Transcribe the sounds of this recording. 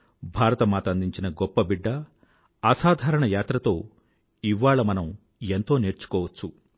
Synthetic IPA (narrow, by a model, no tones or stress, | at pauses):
bʱaːɾɐt̪ɐmaːt̪and̪iɲt͡ʃinɐɡɔpːɐbiɖːɐː | saːd̪ʱaːɾɐɳɐjaːt̪ɾɐt̪o̞ː | iʋːaːɭɐmɐnɐm | ent̪o̞ːne̞ːɾt͡ʃu̥kɔːʋɐt͡ʃːu